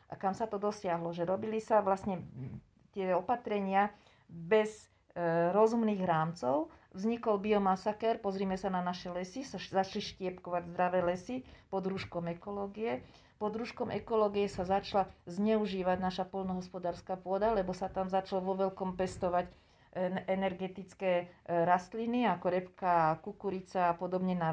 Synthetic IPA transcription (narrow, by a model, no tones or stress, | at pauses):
ʔa̰kamsat̪ɔd̪ɔsɪaɦlɔʒɛɾɔbilisaʋlasɲɛ | t̪ɪɛɔpat̪ɾɛɲɪa | bɛz | ɾɔzumniːɣɦɾaːmt͡sɔʊvzɲikɔlbiɔmasakɛɾpɔzɾiːmɛsananaʃɛlɛsisaʃzat͡ʃliʃcɪɛpkɔʋaɟzd̪ɾaʋɛːlɛsipɔd̪ɾuʃkɔmɛkɔlɔːɡijɛ | pɔd̪ɾuʃkɔmʔɛkɔlɔːɡijɛsazat͡ʃlazɲɛuʒiːʋaɟnaʃapɔlnɔɦɔspɔd̪aːɾskapʊɔd̪alɛbɔsat̪amzat͡ʃalɔʋɔʋɛlkɔmpɛst̪ɔʋac | ɛnɛɾɡɛt̪it͡skɛːɾast̪liniakɔɾɛpkakukuɾit͡saːpɔd̪ɔbɲɛna